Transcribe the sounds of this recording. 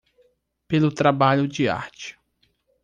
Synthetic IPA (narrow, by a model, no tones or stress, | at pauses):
pelʊt̪ɾabaʎʊd͡ʒɪa̰ɾt͡ʃɪ̥